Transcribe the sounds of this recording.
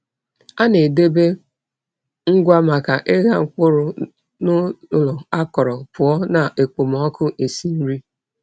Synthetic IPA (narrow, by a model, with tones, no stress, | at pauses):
a˦ne˨de˦be˦ | ŋ̩˦ɡʷa˦ma˨ka˨ʔɪ˦ɣa˦ŋ͡m̩˨k͡pʊ˦ɾʊ˦ | nʊ˦lɔ˨a˦kɔ˨ɾɔ˨pʊ˨ɔ˦na˨ʔe˨k͡po˨m˨ɔ˦kʊ˦ʔe˨si˦n̩˦ɾi˦